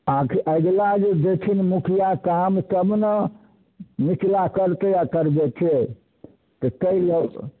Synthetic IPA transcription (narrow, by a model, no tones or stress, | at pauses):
akʰʔəɡlad͡ʒed͡ʒet͡ʃʰinmukʰijakamsəbnə | mit͡ʃlakəɾt̪eakəɾd͡ʒɛt͡ʃʰɛ | t̪ɔk̪əilə